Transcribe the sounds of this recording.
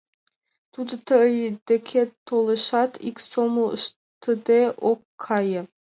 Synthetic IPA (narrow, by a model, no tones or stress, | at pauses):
t̪ud̪ə̆t̪ʰəjd̪̥ekʲʰet̪ʰolˠə̆ʃɑt̪ʰiksomlˠʃ | t̪ʰəd̪eʔokʰːɑjə